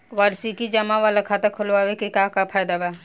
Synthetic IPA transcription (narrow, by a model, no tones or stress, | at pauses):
ʋaːɾsikid͡ʒɐmaʋalakʰat̪ɐkʰʊlʋaːʋekikaːkapʰaːjd̪abɛ